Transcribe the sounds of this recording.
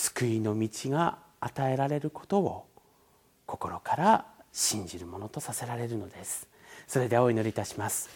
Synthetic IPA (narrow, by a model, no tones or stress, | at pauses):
sɨ̥kɯ̟ino̞mʲit͡ɕiɡaː | t̪ae̞ɾaɾe̞ɾɯ̟ko̞̥t̪o̞βo̰ | kʰo̞ko̞ɾo̞kaɾaɕĩɲ̟d͡ʑiɾɯ̟mo̞no̞t̪osase̞ɾaɾe̞ɾɯ̟no̞d̪e̞sɨ̥ | so̞ɾe̞d̪e̞ao̞ino̞ɾʲiːt̪aɕimasɨ̥